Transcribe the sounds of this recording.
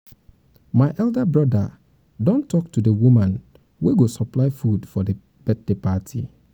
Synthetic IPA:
maɪʔɛldabɹɔda | dɔ̃ntʰɔk̚tudewumãn | weɡosɔplaɪfudfɔde | b̥ɛt̚lepatʰḭ

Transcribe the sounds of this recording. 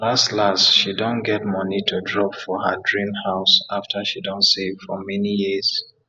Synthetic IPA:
lastlastʃidõnɡɛt̚mʌnitʰudɹɔpfɔhədɹĩmhaʊsaftʰəʃidɔ̃ntsevfɔmɛnijiz̥

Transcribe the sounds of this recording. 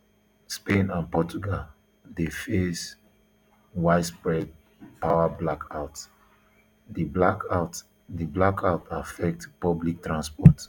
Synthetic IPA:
spẽnãnpɔt͡ʃuɡal | defes | waɪtspɹɛd̚ | paʊablakʰaʊt | diblakat | diblakʰatafɛk̚tpɔblik̚tɹãnspɔt

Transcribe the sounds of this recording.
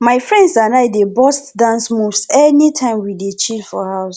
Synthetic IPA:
maɪfɹɛ̃ndsãnaɪdebɔstdãnsmuvsɛnitʰãɪ̃mwidet͡ʃʰilfɔhaʊs

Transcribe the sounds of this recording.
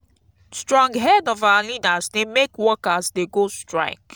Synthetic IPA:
stɹɔ̃ŋɡɦɛdɔvalidazdemekwɔkasdeɡostɹa̰ɪk

